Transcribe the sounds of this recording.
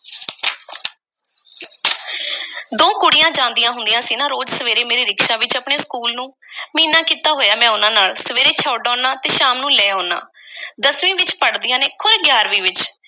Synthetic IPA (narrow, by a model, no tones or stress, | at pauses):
d̪õːkʊɽɪjãːd͡ʒãːnd̪ijãːɦʊnd̪ijãːsiːnãːɾoːd͡ʒsəʋeːɾeːmeːɾeːɾɪkʃaːʋɪt͡ʃapɳeːskuːlnũːmiːnãːkiːt̪aːɦoːjaːmɛ̃ːʊnãːnaːlsəʋeːɾeːt͡ʃʰaːɖɔ̃ːnãːt̪eːʃaːmnũːlɛːoːna̰ː | d̪əsʋĩːʋɪt͡ʃpəɽd̪iːãːneːkʰʊɾɡjaːɾʋiːʋɪt͡ʃ